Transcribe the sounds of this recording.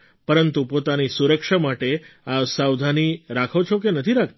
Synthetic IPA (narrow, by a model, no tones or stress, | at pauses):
pəɾənt̪upot̪anisuɾəkʃamaʈeasawd̪ʱaniɾakʰot͡ʃʰok̬enət̪ʰiɾakʰ